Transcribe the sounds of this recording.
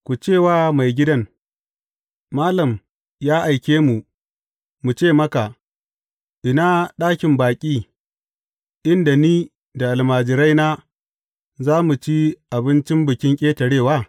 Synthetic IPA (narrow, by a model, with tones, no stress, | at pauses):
kʷu˨t͡ʃeː˦˨waː˦ma˨jɡʲɪ˦dɐ˦ŋ | maː˦lɐ˨m | jaː˦ʔa˨jkʲeː˦mu˨ | mu˨t͡ʃeː˦˨mɐ˦ka˨ | ʔɪ˨na˦ɗaː˦kʲɪ˨mbaː˨kʲʼiː˦ | ʔɪ˦nda˨niː˦ | da˨ʔa˨lmaː˨d͡ʒɪ˨ɾa˦jnaː˦ | zaː˦mu˨t͡ʃi˦ʔa˨bɪ˦nt͡ʃɪ˦mbʊ˨kʲɪ˦ŋkʲʼeː˦tɐ˨ɽeː˦˨waː˦